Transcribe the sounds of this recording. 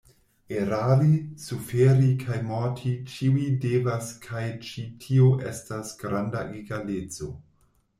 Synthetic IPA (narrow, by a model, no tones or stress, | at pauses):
eɾalisufeɾikʰajmotʰit͡ʃiwidevaskʰajt͡ʃitʰioʔestasɡ̥ɾandaʔiɡalet͡so̞̰